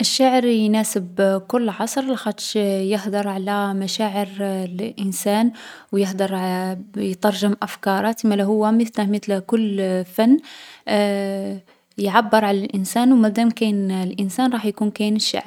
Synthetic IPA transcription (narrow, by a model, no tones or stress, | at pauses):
ʔəʃːaʕəɾjnæsəbkʊlːʕɑsˤɾˤlæxæt̪ʃjəhd̪ɑɾˤʕalæmæʃæʕəɾlʔənsænwjəhd̪ɑɾˤ | jt̪ˤɑɾˤʒəmʔæfkɑɾˤɑt̪imælæɦʊwːæmət̪æhmət̪lkʊlːfænː | jʕabːəɾˤʕalælʔənsænwmæd̪æmkænlʔənsænɾˤɑħjkunkæjnəʃːa̰ʕɾ